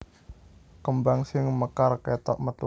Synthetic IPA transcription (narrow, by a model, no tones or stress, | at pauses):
kəmbaŋsɪŋməkarkɛt̪ɔ̰ʔmət̪u